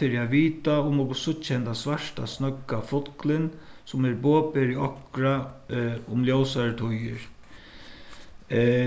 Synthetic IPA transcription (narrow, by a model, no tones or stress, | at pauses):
ɪɾiaʋiːt̪aʊmɔksʊtʃhɛnt̪asʋaʂt̪a̰snœkːafʊt̪klɪnsʊmɛɾboːpɪɾiɔkɾa | ʊmljɔwsaɹt̪ʰʊjɪ̰ɾ